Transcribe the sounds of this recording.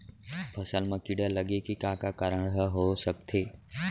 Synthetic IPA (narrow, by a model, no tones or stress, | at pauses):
pʰɐsəlmãkiɽələɠekikakakəɾəɳ̃ɦəɦosək̚t̪ʰeː